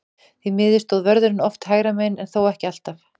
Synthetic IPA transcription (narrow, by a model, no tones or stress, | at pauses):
θimɪːðɪst̪oðvœɾðʏɾɪnɔft̪haːjɾamejnɛnθoːwɛhcɪal̥t̪af